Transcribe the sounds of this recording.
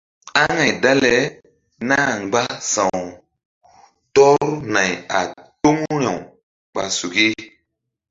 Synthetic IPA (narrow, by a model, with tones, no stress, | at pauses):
a˦ŋa˨jda˦lɛ˨˦ | na˦ŋ˨ɡ͡ba˦sã˨w | tɔ˦ɾna˨ja̰˨to˦ŋɾa˨w | ɓa˨su˨ki˦